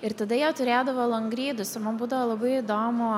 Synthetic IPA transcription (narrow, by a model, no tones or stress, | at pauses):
ɪɾt̪ɐd̪ɐjɛʊt̪ʊɾʲeːd̪ɐʋoːlˠɐŋɡɾʲiːd̪ʊsɪɾmɐnbuːd̪ɐʋoːlˠɐbɐɪɪd̪oːmʊ